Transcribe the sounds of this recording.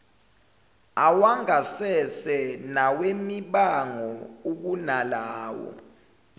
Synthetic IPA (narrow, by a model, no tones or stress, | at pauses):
awaŋasɛsɛnawemiɓaŋɔuk̬unalaːwɔ̰